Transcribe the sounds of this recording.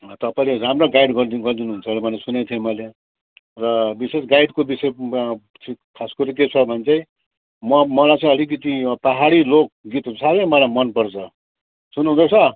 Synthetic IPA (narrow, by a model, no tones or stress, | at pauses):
t̪ʌpaĩleɾamroɡajɖɡʌɾd̪iɡʌrd̪inuɦunt͡sʰʌlebʱʌnesunet̪ʰijemʌle | rʌbisesɡajɖkobisej | t͡sʰikʰaskoɾiket͡sʰʌbʱʌnt͡saj̃ | mʌmʌlajt͡sʌ̃ĩʌlik̬ʌt̪ipʌɦaɽilok̚ɡit̪usʰabemʌlajmʌnpʌrt͡sʰʌ | sunuɦũd̪ʌt͡sʰʌ